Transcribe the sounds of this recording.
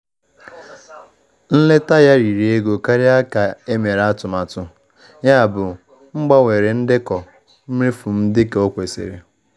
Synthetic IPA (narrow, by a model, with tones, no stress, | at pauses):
n̩˦le˦ta˦ja˦ɾi˨ɾi˨e˦ɡo˨ka˦ɾɪ˦a˦ka˨e˦me˨ɾa˦tʊ˨ma˨tʊ˨ | ja˦a˨bʊ˨ | ŋ͡m̩˦ɡ͡ba˦wʷe˨ɾe˨n̩˦dɪ˦kɔ˨ | m̩˦m˦ɾi˦fʊ˨m̩˦dɪ˦ke˨o˦kʷe˨sḛ˨ɾḛ˨